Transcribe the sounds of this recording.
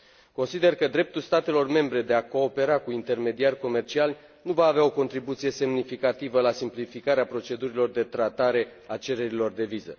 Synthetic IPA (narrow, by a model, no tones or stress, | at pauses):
ko̞nsid̪e̞rkəd̪ɾe̞p̚t̪ulst̪at̪e̞lo̞rme̞mbɾe̞d̪e̞ako̞ːpe̞ɾakuint̪e̞rme̞d̪iarʲko̞me̞rt͡ʃial | nuvaːveao̞ko̞nt̪ɾibut̪sije̞se̞mnifikat̪ivəlasimplifikaɾeapɾo̞t͡ʃe̞d̪uɾilo̞rd̪e̞t̪ɾat̪aɾe̞at͡ʃe̞ɾe̞ɾilo̞rd̪e̞vizə̰